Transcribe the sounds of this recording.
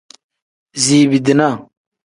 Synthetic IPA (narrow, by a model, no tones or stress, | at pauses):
ziːbid̪ina